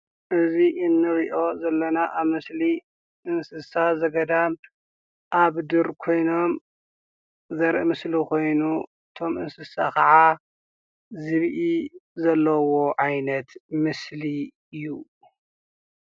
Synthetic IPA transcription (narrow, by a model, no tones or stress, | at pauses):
ʔɨziʔɨnːɨɾiʔo̞zɐlːɐnaʔaβmɨsli | ʔɨnsɨsazɐɡɐd̪am | ʔaβd̪ɨɾkʰo̞jno̞m | zɐɾʔɨmɨslikʰo̞jnu | ɨt̪ʰo̞mʔɨnsɨsakʰɐʕa | zɨβʔizɐlːɐwo̞ʕajnɐt̪mɨsli | ɨju